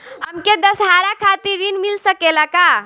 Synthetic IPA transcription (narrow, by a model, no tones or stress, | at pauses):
həmked̪əsɦaɾakʰat̪iɾɾinmilsəkelaka